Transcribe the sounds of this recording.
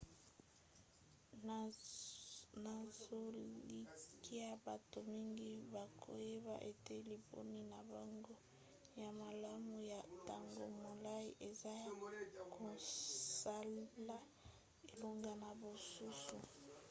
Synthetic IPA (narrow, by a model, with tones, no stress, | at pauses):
na˨zo˦li˦ki˦a˦ba˨to˨mi˦ŋɡi˦ba˨kʰo̰˨je˦ba̰˨ʔe˨te˦li˨bo̰˦ni˦na˨ba˨ŋɡo˦ | ja˨ma˨la˦mu˨ja˨ta˨ŋɡo˨mo˨la˦i˦ʔe˨za˦kʰo˨sa˦la˦ | e˨lo˦ŋɡa˨na˨bo˨su˦su˨